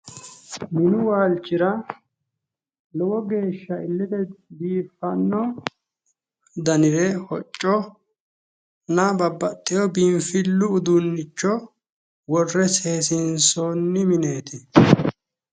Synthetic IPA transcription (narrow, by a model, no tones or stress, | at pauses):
mɪnʊwaːlt͡ʃːɪɾɐ | lɔwɔɡe̞ːʃːɐɪlːɪd̪ɛd̪iːfɐnːɔ | d̪ɐnɪɾɛhɔt͡ʃʼːɔ | nɐbɐbːɐt̪ʼːɪjɔbɪmfɪlːʊːd̪ʊnːɪt͡ʃːɔ | wɔrːɛse̞ːsɪnsonːɪmɪne̞ːt̪ɪ